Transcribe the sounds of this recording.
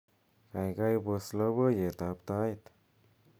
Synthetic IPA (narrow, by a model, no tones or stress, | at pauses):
kajɡajbəsləbəjet̪apt̪ajt̪